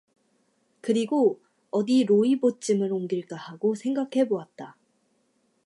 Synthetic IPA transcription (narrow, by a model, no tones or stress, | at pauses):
kɯɾiɡo | ʌdiɾoibot͡ɕ͈imɯɾoŋɡiɭk͈ahaɡosʰe̞ŋɡakʰe̞boat̚t͈a